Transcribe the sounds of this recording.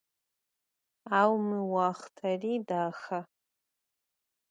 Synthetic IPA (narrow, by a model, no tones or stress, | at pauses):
awmiwaχtʰaridaːxa